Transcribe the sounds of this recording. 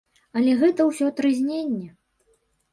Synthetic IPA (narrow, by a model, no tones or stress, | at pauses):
ɐlʲɛɣɛt̪ɐwsʲɔt̪ɾɨzʲnʲenʲːɛ